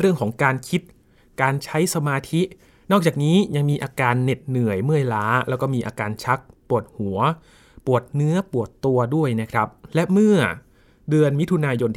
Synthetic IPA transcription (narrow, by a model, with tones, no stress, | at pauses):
ɾɯ˥˩əŋkʰɔː˩˦ŋkaː˧nkʰi˦˥t̪̚ | kaː˧nt͡ɕʰa˦˥jsa˧maː˧t̪ʰi˦˥ | nɔː˥˩k̚t͡ɕaː˨˩k̚niː˦˥ja˧ŋmiː˧ʔaː˧kaː˧nːe˨˩t̪̚nɯ˨˩əjmɯ˥˩əjlaː˦˥lʔɛː˦˥wkɔː˥˩miː˧ʔaː˧kaː˧nt͡ɕʰa˦˥k̚pu˨˩ət̪̚hu˩˦ɐ | pu˨˩ət̪̚nɯ˦˥ɐpu˨˩ət̪ːu˧ɐdu˥˩əjna˦˥kʰɾa˦˥p̚lɛ˦˥mɯ˥˩ɐ | dɯ˧ənmi˦˥t̪ʰu˧naː˧jo˧nt̪ʰ